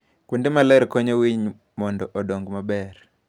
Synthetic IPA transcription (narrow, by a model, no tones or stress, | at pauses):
kundemalɛɾkɔɲowiɲ | mɔndɔʔɔdoŋɡmabɛr